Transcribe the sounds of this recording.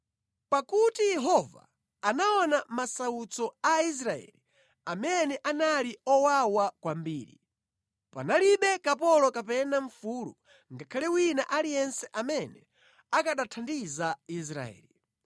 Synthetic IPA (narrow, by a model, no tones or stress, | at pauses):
pakutijɛɦɔva̰ː | naɔnamasaut͡sɔais̬ɾaɛ̰li | amɛnɛʔanaliɔwawakwambiːɾḭ | pa̰naliɓɛkapɔlɔkapɛnaɱfuːlṵ | ŋɡakʰalɛwinaʔalijɛnsɛʔamɛnɛ | akaɗatʰandizais̬ɾa̰ɛ̰ːli